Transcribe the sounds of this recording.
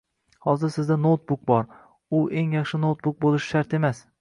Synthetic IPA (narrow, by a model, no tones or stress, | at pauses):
hɒzɪɾsɪzd̪anot̪̚bʊk̚bɒɾ | ʊʔe̞ŋjɑχʃɪnot̪̚bʊk̚bolˠɪʃɪ̥ʃaɾt̪e̞mas